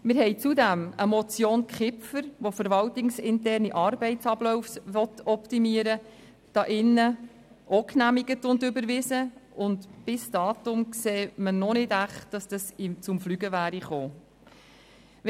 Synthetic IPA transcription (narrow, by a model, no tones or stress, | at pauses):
mɪɾɦɛɪt͡sudæməmɔt͡sjoːnkχɪpfəɾʋofəɾvɑltɪŋsɪntɛrniʔɑːrbɛɪt͡sɑblɔʊfsʋɔtɔptimiəɾə | d̥ɑʔɪnːə | ʔɔknæmiɡətʊndʏbəɾʋɪsəʊndb̥ɪsd̥ɑːtʊmkseːmənɔnɪdæχtd̥ɑsd̥ɑsɪt͡sʊmflyɡəvæːɾiχoː